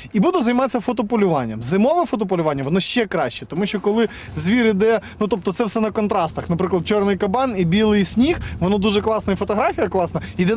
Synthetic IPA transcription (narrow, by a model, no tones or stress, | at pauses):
ibud̪ɛzɐjmɑt̪t͡sʲːɐfɔt̪ɔpɔlʲʊʋɑnʲːɐmzɪmɔʋɛfɔt̪ɔp̬ɔlʲʊʋɑnʲːɐʋɔnɔʃt͡ʃɛkɾɑʃʲt͡ʃɛt̪ɔmuʃʲt͡ʃɔkɔlˠɪ | zʲʋʲiɾɪd̪ɛnut̪ɔp̚t̪ɔt̪sɛwsɛnɐkɔnt̪ɾɑst̪ɐxnɐpɾɪklˠɐd̪̚t͡ʃɔrnɪjkɐbɑnibʲilˠɪjsʲnʲixʋɔnɔd̪uʒɛklˠɑsnɐifɔt̪ɔɦɾɑfʲijɐklˠɑsnɐid̪ɛ